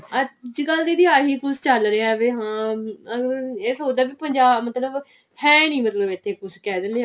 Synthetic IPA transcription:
əd͡ʒɡəld̪iːd̪iːaːɦiːkʊst͡ʃəlɾeːɛʋeːɦãːəeːsɦoːd̪aːbiːpəɲd͡ʒaːmət̪ləb | hɛ̃ːnĩːmət̪ləbɪt̪ʰːeːkʊskɛːd̪ɪneː

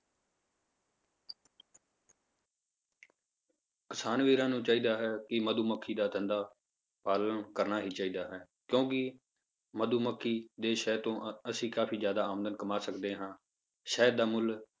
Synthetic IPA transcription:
kɪsaːnʋiːɾãːnũːt͡ʃaːiːd̪aːɦɛːkɪməd̪uːməkʰːiːd̪aːt̪ʰɛ̃nd̪aː | paːlənkəɾnaːɦiːt͡ʃaːiːd̪aːɦɛː | kjõːkɪ | məd̪uːməkʰːiːd̪eːʃɛːt̪õːəsĩːkaːpiːzjaːd̪aːaːmənd̪ənkəmaːsəkd̪eːɦãː | ʃɛːd̪aːmʊl

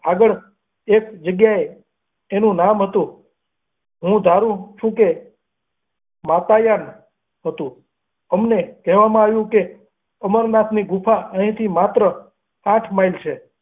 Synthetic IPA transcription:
aɡəɭ | ekd͡ʒəɡjaeː | nũnamɦət̪ũ | ɦũd̪ʱaɾũt͡ʃʰũke | mat̪ajan | ɦət̪ũ | əmnekɛɦʋamãaʋjũke | əməɾnat̪ʰniɡupʰaəɦĩt̪ʰimat̪ɾə | ãʈʰmajlt͡ʃʰe

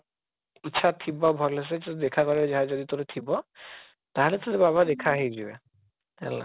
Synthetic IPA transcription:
it͡ʃʰat̪ʰibɔbʱɔles̬ɛtd̪ɛkʰakɔɹɛzaɦazɔd̪it̪oɾet̪ʰibɔ | t̪aɦɛlɛt̪odebaβad̪ɛkʰaːɦid͡ʒibɛ | ɛlːa̰

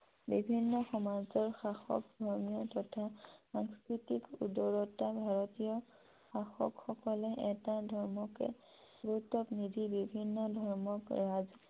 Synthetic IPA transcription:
bibʱinːɔxɔmazɔɹxaxɔ̰k̚dʱɔɹmijɔtɔtʰasaŋskɹitikṵdɔɹɔtabʱaɹɔtijɔ | xaxɔ̰kxɔkɔlɛʔɛtadʱɔɹmɔkɛ̰ | ɡutɔpnidʱibibʱinːɔdʱɔɹmɔkɹaz

